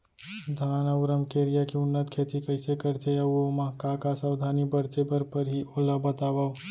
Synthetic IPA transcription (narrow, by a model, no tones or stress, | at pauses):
d̪ʱanaɾəmkeɾijakiʊnːət̪kʰeːt̪ikəɪsekəɾt̪eəoməɦkakasawd̪ʱanibəɾt͡ʃ̪ebəɾpəɾɦiʔoːləbət̪aːbao